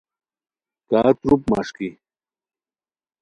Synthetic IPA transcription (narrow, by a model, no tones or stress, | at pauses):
kaːt͡sɾup̚ma̰ʂki